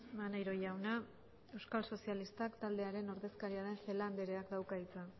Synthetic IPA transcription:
manajɾo̞ʝawna | e̞wskalso̞sialist̪akt̪ald̪e̞aɾe̞no̞ɾðe̞skaɾiaðe̞nfe̞land̪eɾe̞akd̪awkait͡sa

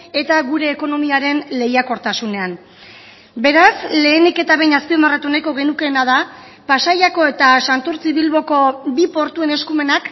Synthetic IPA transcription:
e̞t̪aɣuɾe̞ːko̞no̞miaɾe̞nle̞jako̞ɾt̪asune̞an | be̞ɾasle̞ːnike̞t̪aβejɲaspio̞maret̪uenajko̞ɣ̞e̞nuke̞ːnað̞a | pasajako̞e̞t̪asant̪oɾt͡siβilβo̞ko̞bipo̞ɾt̪ue̞ne̞skume̞nak

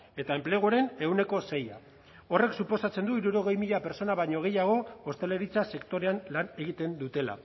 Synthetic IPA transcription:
e̞t̪ae̞mpleɣ̞uoɾe̞ne̞wne̞ko̞se̞ja̰ | o̞re̞ksupo̞sat͡se̞nd̪uiɾuɾo̞ɣe̞jmiʎape̞ɾt͡so̞naβaɲo̞ɣ̞e̞jaɣ̞o̞ost̪e̞le̞ɾit͡sase̞kt̪o̞ɾeanlane̞ɣ̞it̪e̞nd̪ut̪e̞la̰

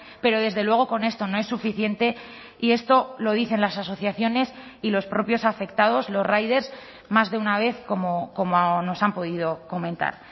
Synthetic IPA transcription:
pe̞ɾo̞ð̞e̞zðe̞lwe̞ɣ̞o̞ko̞ne̞st̪o̞no̞e̞sːufiθje̞nt̪e̞ | ie̞st̪o̞lo̞ð̞iθe̞nlasaso̞θjaθjo̞ne̞s | ilo̞spɾo̞pjo̞safe̞k̚t̪að̞o̞zlo̞zrajð̞e̞ɾs | mazðe̞unaβe̞θko̞moko̞mono̞sampo̞ðið̞o̞ko̞mẽ̞nt̪a̰ɾ

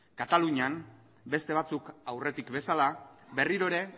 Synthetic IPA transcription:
kat̪aluɲam | be̞st̪e̞β̞at͡sukawre̞t̪ikbe̞salabe̞riɾo̞eɾe̞

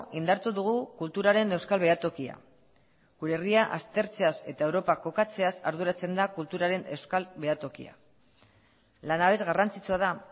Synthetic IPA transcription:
ind̪aɾt̪uðuɣ̞ukult̪uɾaɾe̞ne̞wskalβe̞at̪o̞kia̰ | ɡuɾe̞riaʔast̪e̞ɾt͡se̞ase̞t̪ae̞wɾo̞pako̞kat͡se̞asa̰ɾðuɾat͡se̞nd̪akult̪uɾaɾe̞ne̞wskalβe̞at̪o̞kḭa̰ | lanaβe̞zɣarant͡sit͡suað̞a

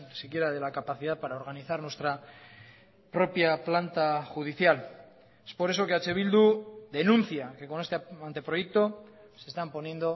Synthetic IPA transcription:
nisikje̞ɾaðe̞lakapaθiðaðpaɾaoɾɣaniθaɾnwe̞st̪ɾa | pɾo̞pjaplant̪axuðiθjal | espo̞ɾe̞s̬o̞keat͡ʃe̞β̞ild̪uðe̞nũnθjake̞ko̞ne̞st̪eant̪e̞pɾoje̞k̚t̪o̞ | se̞st̪ampo̞nje̞nd̪o̞

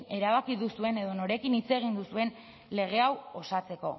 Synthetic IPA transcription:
e̞ɾaβakiðusue̞ne̞ðo̞no̞ɾe̞kinit͡se̞ɣ̞ind̪usue̞n | le̞ɣ̞e̞awo̞sat͡se̞ko̞̰

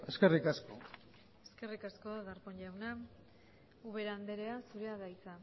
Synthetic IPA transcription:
e̞ske̞rikasko̰ | e̞ske̞rikaskoðaðaɾpoɲʎawna | uβe̞ɾand̪e̞ɾe̞asuɾeaðajt͡sa

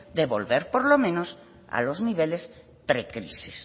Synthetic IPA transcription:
d̪eβolβeɾpoɾlomẽnos | a̰lozniβeles | t̪ɾekɾisis

